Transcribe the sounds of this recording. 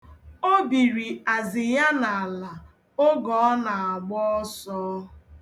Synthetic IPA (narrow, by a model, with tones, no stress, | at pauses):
o˦bi˨ɾi˨a˨zɪ˨ja˦na˨la˨ | o˦ɡɔ˨˦ɔ˦na˨a˨ɡ͡bɔ˦ɔ˦sɔː˦